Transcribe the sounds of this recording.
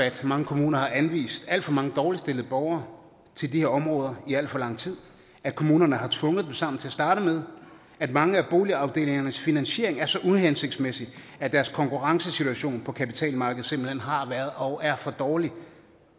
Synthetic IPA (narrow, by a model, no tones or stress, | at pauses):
æd̥mɑ̈ŋəkʰo̝muːnɐhɑ̈ʔænʋḭːsd̥æl̰d̥fɒ̽mɑ̈ŋəd̥ɒːlisd̥e̝l̰ð̞̩ˠb̥ɒʊɐː | t͡sʰe̝ldiheɐɒ̽mʁɔ̽ːð̞ˠɐiæl̰d̥fɒ̽lɑ̈ŋ̰t͡sʰið̞̰ˠ | ækʰo̝muːnɐnəɦɑ̈t͡sʰʋɔ̽ŋð̩ˠd̥emsɑ̈m̰n̩t͡sʰe̝ɐsd̥ɑ̈ːɾ̥əmeð̞ˠ | æd̥mɑ̈ŋəæb̥o̝ːliɑ̈ʊd̥e̝̰ːle̝ŋɐnəsfinænɕe̝̰ɐ̰e̝ŋæɐsɒ̽ʔuhense̝ɡ̥̚d̥smesi̥æd̥æɐskʰɒ̽ŋkuʁɑ̈ŋsəsit͡sʰuæɕo̝̰ːnpʰɒ̽kʰæpit͡sʰɛ̰ːlmɑ̈ːɡ̥əð̩ˠsemb̥l̩henɦɑ̈ʋæɐð̞̩ˠɒ̽ʊʔæɐfɒ̽d̥ɒːli